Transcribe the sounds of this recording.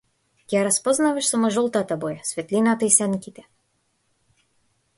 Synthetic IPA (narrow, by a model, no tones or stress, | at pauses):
kʲjaɾaspɔznavɛʃsamɔʒɔlˠt̪at̪abɔjasvɛt̪lʲinat̪aisɛnkʲit̪ɛ̥